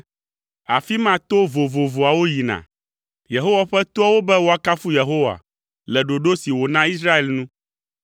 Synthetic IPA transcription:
a˨fi˦mã˦t̪o˦vo˨vo˨vo˨a˨wo˦ji˨nã̰˨ | je˨ɦo˦wa˨ɸɛ˦t̪o˦a˦wo˦bɛ˦wo˨a˨ka˦fu˦je˨ɦo˦wa̰˨ | lɛ˨ɖo˨ɖo˦si˨wo˨nã˦i˦sɾa˦e˨lnũ˦

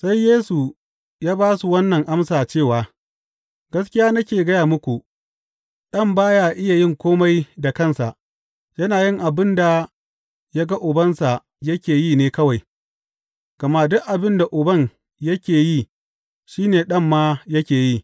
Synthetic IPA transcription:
sa˦jːeː˦su˨ | jaː˦baː˦su˨wɐ˦nːɐ˨ŋʔa˦msaː˨t͡ʃeː˦˨waː˨ | ɡ̥ɐ˦skʲɪ˦jaː˦nɐ˦kʲeː˨ɡɐ˦jaː˨mʊ˦kʷu˨ | ɗɐ˦˨mbaː˦jaː˦ʔɪ˦ja˨jɪ˦˨ŋkʷoː˦ma˦jda˨kɐ˦nsa˨ʔ | jɐ˦naː˨jɪ˦ŋʔa˨bɪ˦nda˨ | ja˦ɡa˦ʔʊ˨bɐ˦nsa˨ | jɐ˦kʲeː˨jiː˦˨neː˦kɐ˦wa˨j | ɡ̥ɐ˨ma˦dʊ˦ʔʔa˨bɪ˦nda˨ʔʊ˨bɐ˦˨ɲ | jɐ˦kʲeː˨ji˦˨ | ʃiː˦neː˨ɗɐ˦˨mːaː˦jɐ˦kʲeː˨ji˦˨

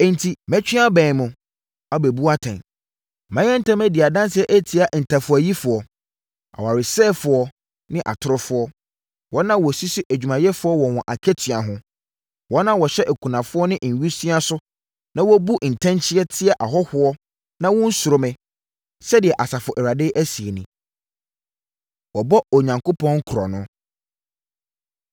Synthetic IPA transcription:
ɛ̃˨n̩˨tʰi˨mɛ̃˦t͡ɕᶣi˦a˦bɛ̃˨nmʊ̃˨ | a˦be˨bu˦a˦tʰã̰˨n | mã˦jɛ̃˦n̩˦tʰã˦mɛ̃˦dɪ˨a˨dã˦n˦sɛ˦ʔe˦tʰi˨a˨n̩˨tʰã˨fʊ˨æ˨ji˦fʊ˨ɔ˨ | a̰˨wa˨ɾɪ˨sɛː˦fʊ˨ɔ˦ | nɪ̃˦ʔa̰˨tʰʊ˦ɾʊ˦fʊ˦ɔ˦ | wɔ˦nã˦wɔ˨si˦si˦ʔæ˨d͡ʑᶣu˨mã˨jɛ˦fʊ˨˦ɔ˦wɔ̃˨wɔ̃˨ʔa̰˨kʰɛ˦tʰɥa˨ɦʊ̃˦ | wɔ˦nã˦wɔ˨ɕɛ˦ʔæ˨kʰu˨nã˨fʊ˦ɔ˦nɪ̃˦ʔn̩˨ɥi˦si˦a˦sʊ˦ | nã˦wɔ˦bu˦ʔn̩˨tʰɛ̃˦nt͡ɕʰɪ˦ɛ˦tʰɪ˦ɛ˨ʔa˨ɦɔ˦hʊ˦ɔ˦ | nã˦wɔ̃˦n̩˦sʊ˨ɾʊ˦mɛ̃˨ | sɛ˦dɪ˨ɛ˨ʔa˨sa˨fʊ˨ʔɛ˨ɾa˨dɪ˦ʔæ˦si˨e˨nɪ̃˨ | wɔ˨bɔ˦ɔ˨ɲã˨ŋko˦pʰɔ̃˦ŋ̩˦kʰʊ˨ɾɔ˨nʊ̃˦

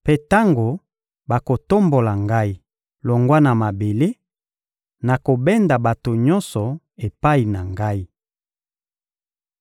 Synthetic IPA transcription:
pe˦ta˦ŋɡo˨ | ba˨ko˨to˦mbo˨la˨ŋɡa˦i˨ | lɔ˨ŋɡwa˦na˨ma˨be˨le˦ | na˨ko˨bɛ˦nda˨ba˨to˨ɲɔ˦nsɔ˨ | e˨pa˦i˨na˨ŋɡa˦i˦

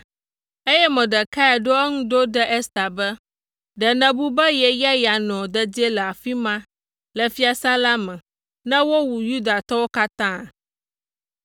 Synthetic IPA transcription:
e˦jɛ˦mɛ̃˨ɖɛ˨ka˦a˨ɖo˦ɛ˦ŋũ˦ɖo˦ɖɛ˦ʔɛ˦st̪a˨bɛ˦ | ɖɛ˨nɛ̃˨bu˦bɛ˦jɛ˨ja˦ja˨nɔ̃˨d̪ɛ˨d͡ʑɛ˦lɛ˨a˨fi˦mã˦ | lɛ˨fi˦a˨sã˦la˦mɛ̃˨ | nɛ̃˦wo˦wu˨ju˦d̪a˨t̪ɔ˦wo˦ka˦t̪ã˦˨

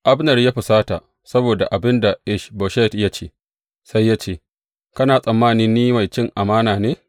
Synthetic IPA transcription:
ʔa˦bnɐ˨rjaː˦ɸɪ˨saː˦ta˨ | sɐ˦boː˨da̰˨ʔa˨bɪ˦nda˨ʔɪ˦ʃbo˨ʃɛ˦tja˦t͡ʃeː˦ | sa˦jːaː˦t͡ʃeː˦˨ | kɐ˦naː˨sʼɐ˨mːaː˦˨nɪ˦nnːiː˦ma˨jt͡ʃɪ˦˨ŋʔa˨maː˦naː˨neː˦

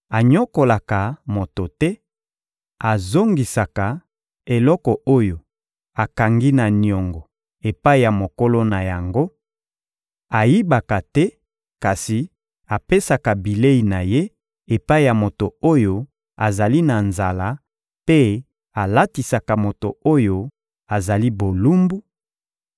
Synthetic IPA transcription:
a˨ɲɔ˦ko˨la˨ka˨mo˨to˨tɛ˦ | a˨zo˦ŋɡi˨sa˨ka˨ | e˨lɔ˦kɔ˨ʔo˦jo˨ | a˨ka˨ŋɡi˦na˨ni˨ɔ˨ŋɡɔ˨ | e˨pa˦i˦ja˨mo˨ko˦lo˦na˨ja˨ŋɡo˦ | a˨ji˦ba˨ka˨tɛ˦ | ka˨si˨ | a˨pe˦sa˨ka˨bi˨le˦i˨na˨je˦ | e˨pa˦i˨ja˨mo˨to˨o˦jo˦ | a˨za˨li˦na˨nza˨la˦ | pe˦ | a˨la˦ti˨sa˨ka˨mo˨to̰˨o˦jo˦ | a˨za˨li˦bo˨lu˦mbu˦

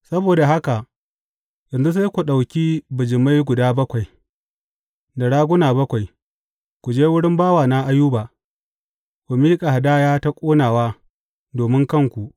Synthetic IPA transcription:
sɐ˦boː˨da˨ɦa˦ka˨ | jɐ˨nzu˦s̬a˦jkʷu˨ɗa˨wkʲiː˦bʊ˨d͡ʒɪ˨ma˦jɡʷʊ˨daː˦bɐ˦kʷa˨j | da˨ɽaː˦ɡʷʊ˦naː˨bɐ˦kʷa˨j | kʷu˨d͡ʒeː˦wʊ˦ɽɪ˦mbaː˦waː˨na˦ʔa˦juː˦baː˨ | kʷu˨miː˦kʼa˨ha˨daː˦jaː˦ta˦kʷʼoː˦naː˨waː˦ | doː˨mɪ˦ŋkɐ˦ŋkʷu˨ʔ

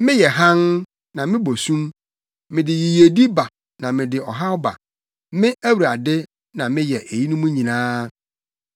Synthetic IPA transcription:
mɪ̃˦jɛ˨ɦã˦n | nã˨mɪ̃˦bo˨sũ˦m | mɪ̃˨dɪ˨ji˨je˨di˦ba˨ | nã˨mɪ̃˨dɪ˨ɔ˨ɦa˦ʊ˦ba̰˨ | mɪ̃˦ʔæ˦wu˨ɾa˨dɪ˦ | nã˨mɪ̃˦jɛ˨ʔe˨ji˦nũ˦mũ˦ɲĩ˨nãː˦

